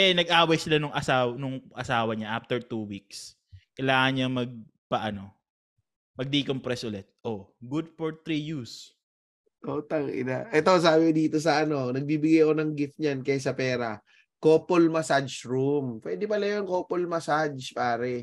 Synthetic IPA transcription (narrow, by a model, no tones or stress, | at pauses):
ʔɛnɐɡ̚ʔaːwɐjsɪlanʊŋʔɐsaːwɐnʊŋʔɐsaːwɐɲaʔaft̪ɛɹt̪uːwik̚s | kɐjlaːŋɐɲɲamɐɡ̚ | pɐʔɐno̞ | mɐɡ̚d̪ikompɾɛsʔʊlɛt̪̚ʔoɡud̪̚fɔɹt̪ɾijus | ʔot̪ɐŋɪ̰naʔɛt̪o̞s̬aːbɪd̪iːt̪o̞s̬ɐʔɐno̞nɐɡ̚biːbɪɡajɐkonɐŋɡɪft̪̚ɲankɐjas̬ɐpɛːɾɐ | koːpolmɐsad͡ʒɹumpwɛːd̪ɪpɐlɐjoŋkoːpolmɐsad͡ʒpaːɾɛ